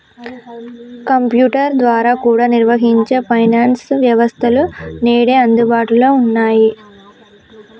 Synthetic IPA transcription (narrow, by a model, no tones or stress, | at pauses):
kɐmpjuːʈɐɾd̪ʋaːɾaːkuːɽaːniɾʋɐɦiɲt͡ʃeːpʰɐjnaːnsʋjɐʋɐst̪ʰɐluneːɽeːɐnd̪ubaːʈuloːunːaːji